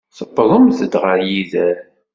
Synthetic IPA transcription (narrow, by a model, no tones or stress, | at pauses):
θəbːðˤəmθəd̪ʁəɾjiðæɾ